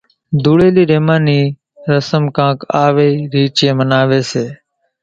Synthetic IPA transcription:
d̪ʱuːɽeːliːɾeːmãːniː | ɾəsəmkãːkaːʋeːiːɾiːt͡ʃẽːmənaːʋeːseː

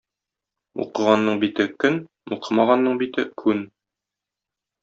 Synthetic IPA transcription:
ṵqɤ̆ʁɑnːɤɴbit̪ɘkɵn | uqɤmɑʁɑnːɤɴbit̪ɘkʰʉn

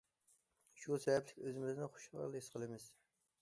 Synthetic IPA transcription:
ʃusɛvɛplɪkʲøzɪmɪznɪχo̥ʃɑ̰lˠɪʃqʰəlˠɨmɪz̥

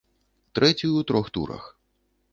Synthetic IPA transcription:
t̪ɾɛt͡sʲujuwt̪ɾɔxt̪ṵɾɐ̰x

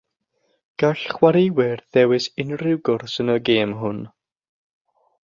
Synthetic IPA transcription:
ɡ̥aɬχwaɾewɪrðɛwɪsɪnrɪwɡʊrsənəɡeːmɦʊn

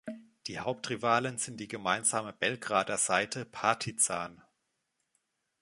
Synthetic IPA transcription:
d̥iːhaʊp̚tʁ̥ivaːlənzɪnt̚d̥iːɡəmaɪnzaːməb̥ɛlɡʁaːdɐz̥aɪtʰəpʰaɐtʰit͡saːn

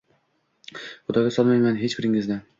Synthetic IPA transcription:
χʊd̪ɒɡʲasɒlˠmajmanɦe̞t͡ʃbɪɾɪŋɪznɪ

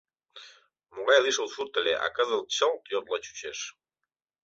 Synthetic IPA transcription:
moɣɑjlˠiʃəlˠʃurt̪əlʲeʔɑ̰kɑzəlˠt͡ɕəlˠt̪jod̪lˠɑt͡ɕu̥t͡ɕeʃ

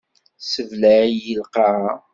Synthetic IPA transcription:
səvlæjəlqɑ

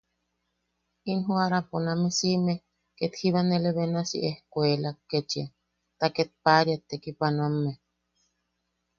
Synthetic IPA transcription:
inɦuaɾaponamesime | ket̪hiβaneleβenasḭʔehkʷelaket͡ʃia | t̪aket̪̚paɾiat̪ːekipanomːe

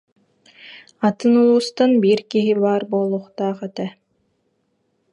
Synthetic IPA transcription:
at̪ɯnulˠuːst̪anbiɾkiɦiβaːɾboːlˠuχt̪aːqɛt̪ɛ

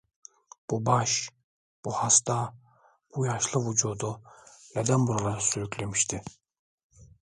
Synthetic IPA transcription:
b̥ubaʃ | b̥uhast̪ʰa | b̥ujaʃlˠɯvud͡ʒuːd̪uned̪ænbuɾad̪ˠasyɾykʲlʲemiʃt̪ʰi

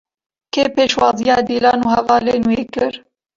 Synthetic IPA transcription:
kʰeːpeːʃwɑːzijɑːd̪iːlɑːnuːhɛvɑːleːnuweːkɨɾ

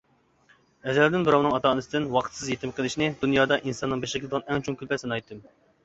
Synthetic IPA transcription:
ɛzɛld̪ɪnbɨɾɑwnɨŋɑt̪ʰɑːnɨsɨd̪ɪnwɑqʰət̪sɨzjet̪ʰɪmqʰəlˠɪʃinɪd̪unjɑːd̪ɑʔinsɑnːɨŋbeʃkʲʰlɨd̪əʁɑnɛŋt͡ʃʰuŋkʲylpʰɛsɪnɨɑjt̪ʰːɨm

